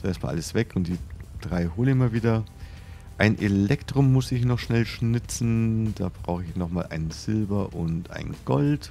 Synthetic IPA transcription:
zoʔeːɐtma̰ːlʔa̰ləsv̥ɛkʰʊnt̚d̥iːd̥ʁaɪhoːləmiːɐviːdɐ | ʔaɪnʔelɛktʁ̥ʊmʊsɪçnɔχʃnɛlʃnɪt͡sn̩d̥aːbʁa̰ʊxəɪçnɔχmaːlʔa̰ɪnənz̥ɪlbɐʔʊntʔa̰ɪnɡ̥ɔlt

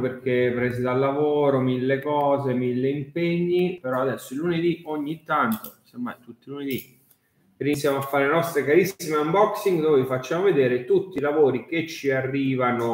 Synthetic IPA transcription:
perk̟epːɾɛːsid̪alːavoːɾomilːekɔːzemilːeimpeɲːipeɾɔad̪ɛsːoilːuned̪ioɲːit̪ːant̪osemːa̰jt̪ut̪ːiluned̪i | ɾinit̪sːjamoafːaɾelenɔst̪ɾekaɾisːimeambɔksiŋɡd̪oːvefat͡ʃːaːmoved̪eːɾet̪ut̪ːilavoːɾik̟et͡ʃːiarːiːvano

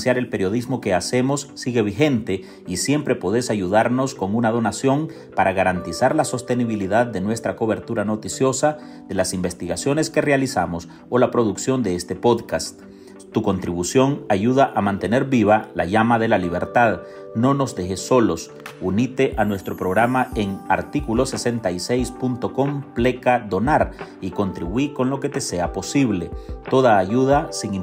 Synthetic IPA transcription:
sjaɾe̞lpe̞ɾjo̞ð̞izmo̞ke̞ase̞mo̞sːiɣe̞β̞ixe̞nt̪e̞ | isje̞mpɾe̞poð̞e̞saʝuðaɾno̞sko̞ŋunað̞o̞nasjo̞ŋ | paɾaɣaɾant̪isaɾlaso̞st̪e̞niβ̞iliðaðːe̞nwe̞st̪ɾako̞βe̞ɾt̪uɾano̞t̪isjo̞sa | ðe̞lasimbe̞st̪iɣasjo̞ne̞ske̞realisamo̞s | o̞lapɾo̞ðuksjo̞nd̪e̞est̪e̞po̞ðkast̪ | t̪ːuko̞nt̪ɾiβusjo̞ŋaʝuðaʔamãnt̪e̞ne̞ɾbiβalaʝamaðe̞laliβ̞e̞ɾt̪að | no̞no̞zðe̞xe̞so̞lo̞s | unit̪e̞ʔanwe̞st̪ɾo̞pɾo̞ɣɾamae̞ŋaɾt̪ikulo̞se̞se̞nt̪aise̞jspunt̪o̞ko̞mple̞kaðo̞naɾiko̞nt̪ɾiβwiko̞nlo̞ke̞t̪e̞se̞apo̞siβle̞t̪o̞ðaːʝuð̞asiŋ

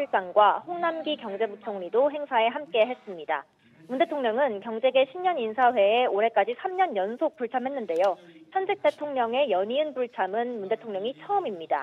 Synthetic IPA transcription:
uɭs͈aŋɡwahoŋnamɡikjʌŋd͡ʑe̞but͡ɕʰʌŋɲidoɦe̞ŋsʰae̞ɦamk͈e̞ɦe̞s͈ɯmɲida̰ | munde̞tʰoŋɲʌŋɯnkjʌŋd͡ʑe̞ɡe̞ɕʰimɲʌninsʰaɸwe̞ːoɾe̞k͈ad͡ʑisʰamɲʌnjʌnsʰok̚p͈uɭt͡ɕʰamɦe̞nːɯnde̞joçjʌnd͡ʑʰek̚t͈e̞tʰoŋɲʌŋe̞jʌɲiɯnpuɭt͡ɕʰamɯnmunde̞tʰoŋɲʌŋit͡ɕʰʌɯmimɲida̰

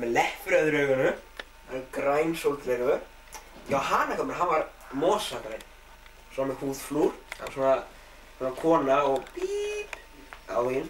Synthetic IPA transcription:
mɛlɛhpɾaðʏɾœːɣʏnʏ | akɾaːjnsowlt̪lɛɾɣʏɾ̥ | jawhanːakʰamɾɦanvaɾ | mɔːsakɾe | sɔmɛhuːðfluɾ̥a̰̥sɔːna | suːnakʰɔːnaɔɣpip | a̰whin

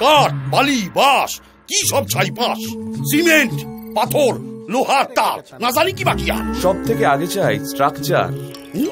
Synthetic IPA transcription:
kaɾʈ̚balibaʃ | kiʃɔb̚t͡ɕʰajpãʃsimeɳʈpat̪ʰoɾloɦaɾt̪aɾnad͡ʑalikibakia̰ʃɔb̚t̪ʰekeaɡet͡ɕajsʈɾakt͡ɕa̰ɾ

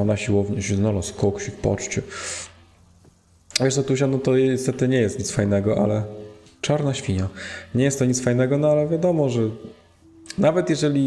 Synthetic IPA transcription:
ɔnaɕiwɔvɲɛɕɛznɔlɔskɔkɕifpɔ̰t͡ʂt͡ɕɛ | vʲjɛʂt̪ɔt̪uɕ̬anɔt̪ɔɛst̪ɛt̪ɘɲɛjɛst̪ɲit̪sfajnɛɡɔʔa̰lɛ | t͡ʂaɾnaɕfʲiɲaɲɛjɛst̪ːɔɲit̪sfajnɛɡɔnɔalɛvʲjad̪ɔmɔʐɛ | navɛt̪jɛʐɛlʲi

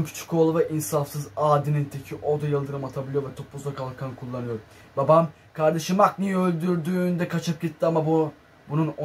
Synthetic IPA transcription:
mpʰi̥t͡ʃʰi̥kʰo̞lˠuvɛʔinsafsɯzaːd̪inint̪ʰecʰiʔo̞d̪ajɯlˠd̪ɯɾɯmat̪ʰabilʲˠijovɛt̪ʰo̞plˠuzˠakʰalˠkʰankʰulˠːanɯjo̞ɾ | babam | kʰaɾd̪aʃɯmak̚nijølʲd̪yɾd̪yːnd̪ɛkʰat͡ʃʰɯp̚ɟit̪ʰːiamab | bununo

